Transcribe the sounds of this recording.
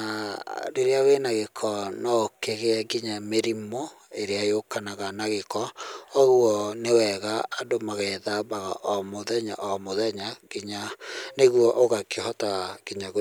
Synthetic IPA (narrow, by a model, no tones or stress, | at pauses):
aɾeɾeawenaɣekʰɔnɔkeɣeɛɡiɲameɾimo | eɾeajokanaɣanaɣekɔɔɣwɔnewɛɣaːdomaɣɛðabaɣaʔɔmoðɛɲaʔɔmoðɛɲaɡ̥iɲaneɣwɔʔoɣakehɔtaɡiɲaɣo